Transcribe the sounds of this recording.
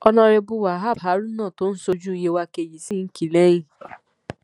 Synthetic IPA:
ɔ˧nã˧ɾe˧bu˧wa˨ɦa˦˨bɦa˨˦ɾũ˦nãː˦˨to˦n̩˦so˧d͡ʒu˦i˧je˧wa˧ke˨ji˨si˦n̩˦ki˨le˦jĩ˦˨

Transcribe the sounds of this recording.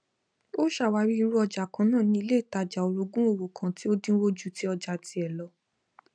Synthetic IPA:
o˦ʃa˦˨wa˧˦ɾi˦i˧ɾu˦ɔ˧d͡ʒa˨kã˨˦nãː˦˨nĩ˧˦i˧le˦˨ta˧˨d͡ʒa˨o˨ɾo˧ɡũ˦o˦˨wo˨kã˨ti˦o˦dĩ˦wo˦d͡ʒu˦˨ti˨˦ɔ˧d͡ʒa˨ti˧˦ɛ˨lɔ˨˦

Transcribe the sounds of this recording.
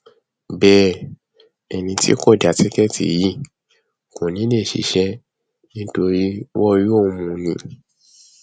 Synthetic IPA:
bɛː˦˨ | ɛ˨nĩ˧tḭ˦kɔ˦˨da˨ti˨˦kɛ˦tḭ˨ji˦˨ | kõ˨nĩ˨˦nẽ˦˨ʃḭ˧˦ʃɛ˦ | nĩ˦to˧ɾi˦wɔ˦ju˦o˦˨˧mũ˧nĩ˧˦

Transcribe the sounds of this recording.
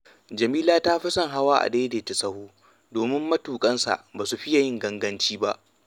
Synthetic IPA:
d͡ʒɐ˨miː˦laː˦taː˦ɸi˦sɐ˦ŋɦa˦waː˦ʔa̰˨deː˦deː˨te˨sɐ˦huː˦ | doː˨mɪ˦mːɐ˦tuː˨kʼɐ˦nsa̰˨ʔbaː˨su˨ɸɪ˦ja˨jɪ˦ŋɡɐ˦ŋɡɐ˦nt͡ʃiː˦ba˦ʔ

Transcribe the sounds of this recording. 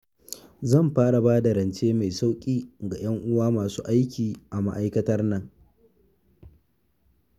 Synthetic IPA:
zɐ˦˨mɸaː˦ɽa˨baː˦da˨ɾɐ˨nt͡ʃeː˦ma˨jsa˦wkʲʼiː˦ɡa˨j̰ɐ˦ŋʔʊ˦waː˦maː˨suː˦ʔa˦jkʲiː˨ʔa˨ma̰˦ʔa˦jkɐ˦tɐ˦rnɐ˦ŋ

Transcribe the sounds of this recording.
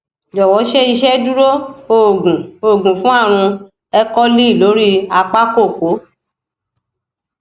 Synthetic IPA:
d͡ʒɔ˨wɔ˨˦ʃɛ˦i˧ʃɛ˦du˦ɾo˦˨ɡũ˨o˨ɡũ˨fũ˨˦a˦˨ɾ̃ũ˧ | ɛ˦kɔ˦li˦˨lo˨˦ɾi˦a˧k͡pa˦ko˦˨ko˨˦

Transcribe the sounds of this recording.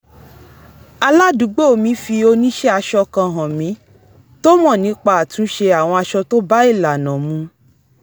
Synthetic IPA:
a˧la˦dũ˨˦ɡ͡bo˦o˧˨mĩ˨˦fi˧o˧nĩ˦ʃɛ˦a˧ʃɔ˧kã˧˨ɦã˨mĩ˨˦ | to˦mɔ̃˦˨nĩ˨˦k͡pa˦a˨tũ˨˦ʃe˧a˨w̃ɔ̃˧a˧ʃɔ˧to˦ba˦i˦˨la˨nã˨mũ˧˦

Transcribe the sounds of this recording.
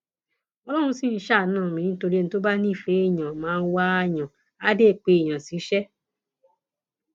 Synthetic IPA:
ɔ˧lɔ˦ɾ̃ũ˧si˦n̩˦ʃa˦˨˦nãː˦˨mĩ˨ĩ˦n̩˦to˧ɾi˦e˦˧n̩˦to˦ba˦ni˦˨fe˨˦i˦˨ɲã˨mãː˨˦n̩˦wa˦ɲã˨ | a˦de˦˨k͡pe˨jã˨si˨˦ʃɛ˦

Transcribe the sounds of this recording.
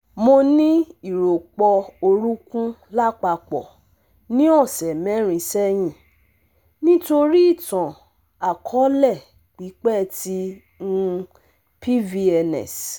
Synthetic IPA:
mo˧nĩ˦i˦˨ɾo˨k͡pɔ˧o˧ɾu˦kũ˦la˦k͡pa˧k͡pɔ̰˨ | nĩ˦ɔ̃˦˨sɛ˨mɛ̃˨˦ɾ̃ĩ˧sɛ˦j̃ĩ˦˨ | nĩ˦to˧ɾi˦i˦˨tã˨ | a˨kʰɔ˨˦lɛ˦˨ | k͡pi˨˦k͡pɛ˦˨ti˧˦ | ŋũ˧ | pʰi˦vi˧ɛ˧nɛ̰̃˨s

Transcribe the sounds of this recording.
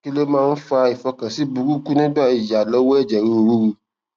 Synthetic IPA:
ki˦le˦mãː˦˧n̩˦fa˧i˨fɔ˧kã˨si˨˦bu˧ɡu˦ku˦nĩ˦ba˦˨i˨ja˨lɔ˦wɔ˦ɛ˦˨d͡ʒɛ˨ɾi˧ɾu˧ɾu˧

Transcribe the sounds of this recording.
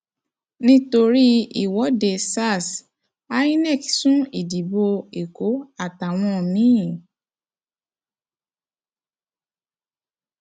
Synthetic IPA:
nĩ˦to˧ɾi˦i˨wɔ˨˦de˧sa˦˨s | a˦i˦nɛ˦˨ksũ˦i˦˨di˨bo˧e˨ko˨˦a˦˨ta˨w̃ɔ̃˧mĩ˨˦˨

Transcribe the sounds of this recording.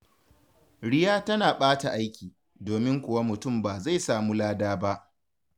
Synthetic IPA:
ɽɪ˦jaː˦tɐ˦naː˨ɓaː˦ta˨ʔa˦jkʲiː˨ | doː˨mɪ˦ŋkʷʊ˨wa˦mʊ˨tʊ˦˨mbaː˨za˦˨jsaː˨muː˦laː˦daː˦ba˦ʔ

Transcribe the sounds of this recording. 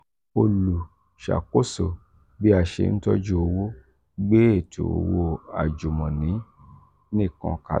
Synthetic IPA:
o˧lu˨ | ʃa̰˨ko˦so˨ | bi˦a˨ʃḛ˧˨n̩˦tɔ˦d͡ʒu˦o˧wo˦ | ɡ͡be˦e˦˨tʰo̰˨o̰˨wo˧a̰˨d͡ʒu˨mɔ̃˨nĩ˨˦ | nĩ˦˨kɔ̰̃˧ka̰˨

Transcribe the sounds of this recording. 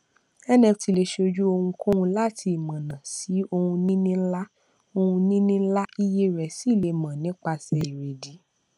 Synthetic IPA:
ɛ˦nɛ̃˧ti˧le˧ʃo˧d͡ʒu˦o˧hũ˧kũ˦hũ˧la˦˨tʰi˧i˨mã˨nã˨si˨˦o˧hũ˧nĩ˦nĩ˦la˦ | o˧hũ˧nĩ˦nĩ˦la˦i˧je˦ɾɛ˨si˨˦˨le˨˧mã˨nĩ˨˦k͡pa˧sɛ˧i˨ɾe˨di˨˦

